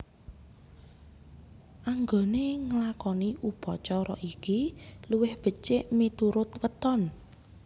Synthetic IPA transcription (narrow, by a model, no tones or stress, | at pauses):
ʔaŋɡoneŋəlakɔniʔub̥ɔt͡ʃɔɾɔʔikiluwɪhb̥ə̤t͡ʃeʔmit̪uɾʊt̪wət̪ɔn